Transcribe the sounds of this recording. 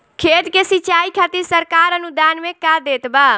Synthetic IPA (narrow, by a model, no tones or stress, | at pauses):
kʰet̪kesit͡ʃaikʰat̪iɾsəɾkaɾənud̪anmẽkad̪et̪ba